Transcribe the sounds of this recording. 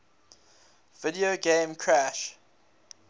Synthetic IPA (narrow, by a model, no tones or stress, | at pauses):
vɪdioɡẽːmkʰɹæʃ